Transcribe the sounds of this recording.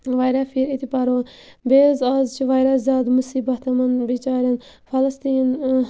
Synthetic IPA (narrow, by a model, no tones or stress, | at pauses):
ʋɐjɾafiːɾit̪ipɐɾoːbeːzaːzt͡ʃʰiʋajɾɐzaːd̪musiːbɐt̪ɐmɐnbit͡ʃaːɾʲɐnfʰɐlɐst̪iːn